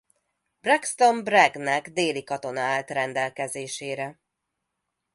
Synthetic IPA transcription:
b̥rɛkst̪o̞mbrɛɡnɛɡd̪eːlikɒt̪o̞nɒaːlt̪rɛnd̪ɛlkɛzeːʃeːɾɛ

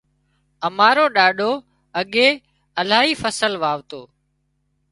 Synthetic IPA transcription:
əmaːɾoːɗaːɗoː | əɠeː | əlaːɦiːfəsəlʋaːʋt̪oː

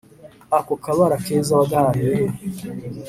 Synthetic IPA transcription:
akokaβaɾakeːzaβaɡaaneɾe

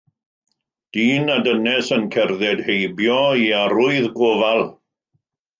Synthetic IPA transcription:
d̥iːnadənɛsənkʰɛrðɛdhejbjɔiaɾʊɨðɡovalˠ

